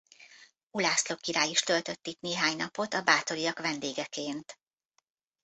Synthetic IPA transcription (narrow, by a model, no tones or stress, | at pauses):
ulaːslo̞kːiɾaːjiʃt̪ølt̪ø̞t̪ːit̪neːɦaːɲnɒpo̞t̪ɒbaːt̪o̞ɾijɒkʋɛnd̪eːɡɛkeːnt̪